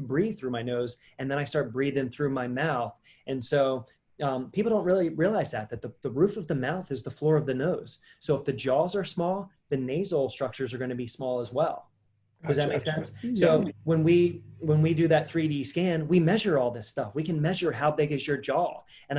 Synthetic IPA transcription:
bɹið̥θɹʉmaɪnoʊz | ɨ̃nðɨ̃ɾ̃aɪstɑɹt̚b̥ɹiðɪ̃ŋθɹʉmaɪmaʊθ | ʔɨ̃nsoʊ | ʌ̃mpʰipl̩ˠdõʊ̃nʔɹɪlˠiɹiəlaɪzðɨt̪̚ðɨt̪̚ðəðəɹʉfʌvðɨmaʊθɨzðəflɔɹʌvðɨnoʊz̥ | soʊəfðɨd͡ʒɔzə˞smɔlˠ | ðɨneɪzl̩ˠstɹ̥ʌk̚t͡ʃə˞zə˞ɡõɪ̃nɨbismɔlˠəzwɛlˠ | kʰʌzðɨt̚meɪksɛ̃nssoʊwə̃nwiwə̃nwidɨðɨt̪̚θɹidiskæ̃nwimɛʒə˞ɔlˠðɪstʌfwikɨ̃nmɛʒə˞ɦaʊbɪɡɨzjə˞d͡ʒɔ | ɨ̃n

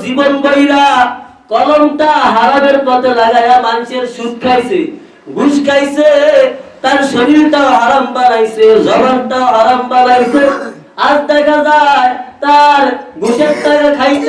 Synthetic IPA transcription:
d͡zibɔnbɔilakɔlɔmʈ̪aɦaɾabeɽpɔt̪elaɡajamanseɾsud̪̚kʰajse | ɡuskajset̪aɾsəɾiɾʈ̪aaɾambanajsed͡zɔbaɾʈ̪aaɾambanajsʰe | ad͡zd̪akʰad͡zajt̪aɾɡʱuset̪t̪akakʰajs

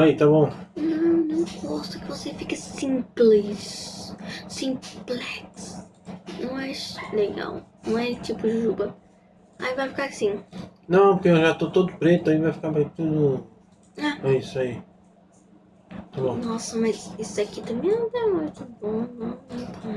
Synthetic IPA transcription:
ait̪aβõnɐ̃w̃nɐ̃w̃ɡɔʃt̪ɐkɨvɔsefikɐsĩmpliʃ | sĩmplˠɛks | nɐ̃w̃ɛʃnẽj̃ɐ̰̃w̃nɐ̃w̃ɛt̪ipuʒubɐ | a̰ivajfi̥kaɾsĩnɐ̃w̃puɾkeẽʒat̪ot̪oðupɾet̪uɐĩvajfi̥kaɾmɐ̃j̃t̪uðu | aɛisɐi | t̪aβõnɔsɐmɐzisɐkit̪ɐmɐ̃j̃nɐ̃w̃t̪amujt̪ɐ̃bõnɐ̃nɐ̃t̪ʰa

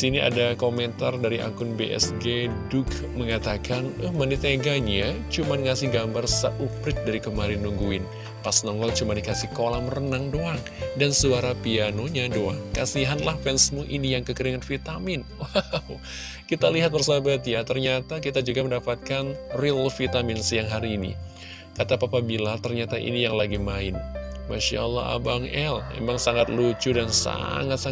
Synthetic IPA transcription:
siniʔa̰dakomɛnt̪ardaɾiʔa̰kʊnbeʔɛ̰sɡedʊk | məŋat̪akanuhmanit̪eɡaɲat͡ʃumanŋasɪhɡambarsa̰ʔupɾɪt̪̚daɾikəmaɾɪnːuŋɡuɪn | pasnɔŋlɔŋt͡ʃumandikasɪhkolamrənaŋdoaŋ | dansuaɾapianoɲadoa̰ŋkasiɦanlahfɛnsmuʔinijaŋkəkəɾiŋanfit̪amɪnwaw | kit̪aliɦat̪̚bərsabat̪jat̪ərɲat̪akit̪ad͡ʒuɡaməndapat̪̚kanrilfit̪amɪnsəjaŋɦaɾiːnḭ | kat̪apapabilat̪ərɲat̪aʔḭnijaŋlaɡimaɪnmaʃa̰lːɑ̰a̰baŋɛlmḛmaŋsaŋat̪̚lut͡ʃudansa̰ŋat̪sa

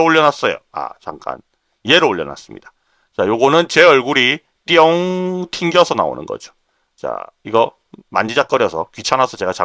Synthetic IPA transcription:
oʎːʌnas͈ʌjo̰a̰t͡ɕa̰ŋk͈a̰n | ie̞ɾɯoɭːʌ̰na̰s͈ɯmɲḭd̥ḁ | t͡ɕajoɡonɯnt͡ɕe̞ʌɭɡuɾi | t͈iʌŋtʰiŋɡjʌsʰʌna̰o̰nɯ̰nɡʌ̰d͡ʑo | t͡ɕa̰iɡʌ | ma̰nd͡ʑid͡ʑak͈ʌɾjʌsʰʌkɥit͡ɕʰanasʰʌt͡ɕe̞ɡat͡ɕa

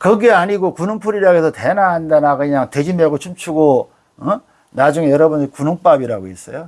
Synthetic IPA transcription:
kʌɡeaɲiɡokunɯŋpʰuɾiɾaɡesʰʌtenaɦandanakɯɲaŋted͡ʑimeɡot͡ɕʰumt͡ɕʰuɡo | ʌ | nad͡ʑuŋejʌɾʌbunɾikunuŋp͈abiɾaɡoes͈ʌjo

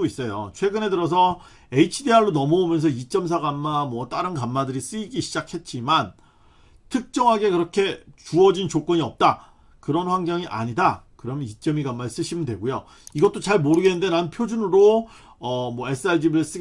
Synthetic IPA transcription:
ois͈ʌjo̰t͡ɕʰwe̞ɡɯne̞dɯɾʌs̬ʰʌ | e̞it͡ɕʰideaɭːonʌmʌomjʌnsʰʌit͡ɕ͈ʌms̬ʰaɡamːamwʌt͈aɾɯnkamːadɯɾis͈ɯiɡiɕʰid͡ʑakʰhe̞t̚t͡ɕ͈iman | tʰɯk̚t͡ɕ͈ʌŋɦaɡe̞kɯɾʌkʰe̞t͡ɕuʌd͡ʑint͡ɕok͈ʌɲiʌp̚t͈a | kɯɾʌnɸwaŋɡjʌŋiʔa̰ɲidakɯɾʌmjʌnit͡ɕ͈ʌmiɡamːas͈ɯɕʰimɯndwe̞̰ɡojo | iɡʌt͈ot͡ɕaɭmoɾɯɡe̞nɯnde̞naɯnpʰjod͡ʑunɯɾo | ʌmwʌe̞s͈ʰɯaɭd͡ʑibɯɭs͈ɯ

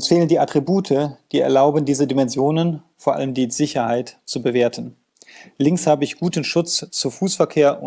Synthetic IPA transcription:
ʊsfeːləndiːʔatʁ̥ibuːtʰəd̥iːɛ̰ɐlaʊbən̩diːzədimɛnzjoːnənfoːɐʔa̰ləmdiːzɪçɐhaɪtt͡subəveːɐtən̩ | lɪŋshaːbəɪçɡ̥uːtn̩ʃʊt͡st͡sufuːsfɛɐkʰeːɐʔʊ

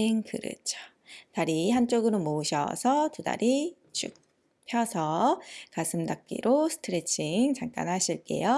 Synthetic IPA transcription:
ŋkɯɾɯ̰t͡ɕʰo̥ | taɾiɦant͡ɕ͈oɡɯɾomoɯɕʰʌ̰sʰʌtuda̰ɾʔi | t͡ɕ͈ʰṵk̚ | pʰjʌsʰʌkasʰɯmdak̚k͈ḭɾʔosʰɯ̥tʰɯɾe̞t͡ɕʰiŋt͡ɕaŋk͈a̰nɦaɕʰiɭk͈e̞̰jo

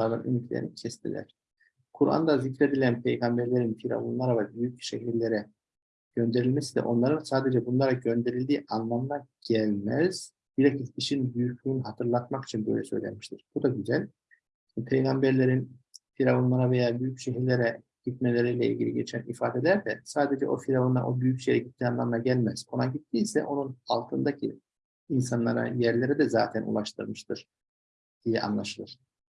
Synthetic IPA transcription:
aɾd̪a̰nʔy̰nycʰlʲḛḭnicʰɛst̪ʰḭlʲæ̰ɾ̥ | kʰuɾa̰nd̪azycɾe̞d̪ilʲænpʰejɡambeɾlʲe̞ɾinfʰiɾa̰vunlˠaɾavɛbyjycʃeɦiɾlʲeɾɛ | ɟ̥ønd̪e̞ɾilʲmɛsid̪ɛ̰ʔo̞nlˠaɾɯnsaːd̪ed͡ʒɛbunlˠaɾaɟø̞nd̪e̞ɾilʲd̪iːʔanlˠamnaɟ̥ælʲmæz̥ | b̥iɾeciziʃinbyjyc̚uɾunuɦat̪ʰɯɾlˠat̪̚maki̥t͡ʃʰinbø̰jlʲɛsø̞̰jlʲḛmi̥ʃt̪ʰiɾ̥b̥ud̪aɟyzælʲ | npʰejɡambæɾlʲeɾinfiɾaonlˠaɾave̞jaːbyjycʃeɦiɾlʲeɾɛ | ɟ̥it̪̚melʲe̞ɾijlʲɛilʲɟʲilʲiɟʲle̞t͡ʃʰænifaːd̪elʲæɾd̪ɛsaːd̪e̞d͡ʒɛ̰ʔo̞fiɾavona̰ʔo̞byjycʃejɛɟit̪ːiːanlˠa̰mlaɟælʲmæz̥kʰonaɟit̪ʰːiːsɛ̰ʔo̞nuna̰lˠt̪ʰɯnd̪acʰḭ | insanlːˠaɾa̰jæɾlʲe̞ɾid̪ɛzaːt̪ʰænṵlˠaʃt̪ʰɯɾmɯʃt̪ʰɯɾ̥ | d̪̥ijɛʔa̰nlˠaʃɯlˠɯɾ̥

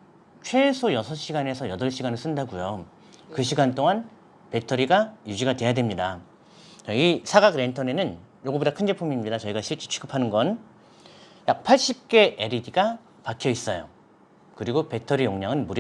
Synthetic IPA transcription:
t͡ɕʰwe̞sʰojʌsʰʌɕ͈ʰiɡane̞sʰʌjʌdʌɭɕ͈ʰiɡanɯɭs͈ɯndaɡujo | kɯɕʰiɡant͈oŋan | pe̞tʰʌɾiɡajud͡ʑiɡadwe̞jadwe̞mɲida | ʌisʰaɡaɡɾe̞ntʰʌne̞nɯn | joɡʌbodakʰɯnd͡ʑepʰumimɲidat͡ɕʌiɡaɕʰiɭt͡ɕ͈it͡ɕʰu̥ɡɯpʰanɯnɡʌn | jak̚pʰaɭɕ͈ip̚k͈e̞ʔeɾidiɡa | pakʰjʌis͈ʌjo̰ | kɯɾiɡope̞tʰʌɾijoŋɲaŋɯnmuɾ

